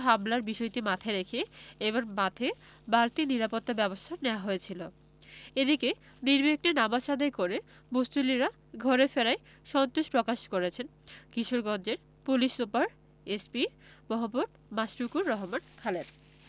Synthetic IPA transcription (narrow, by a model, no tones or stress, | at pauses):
ɦamlaɾbiʃɔjt̪imat̪ʰaɾekʰeebaɾmat̪ʰe | baɾt̪iniɾapot̪ːabɛbost̪ʰaneoaɦoet͡ɕʰilo | ed̪ike | niɾbik̚ʈenamaʃad̪aekoɾe | bust̪uliɾa | ɡʱɔɾefeɾae | ʃɔnt̪oʃpɾokaʃkoɾet͡ɕʰenkiʃoɾɡɔnd͡ʑeɾ | puliʃupaɾ | espimɔɦoboʈ | masɾukuɾːɔɦomankʰalen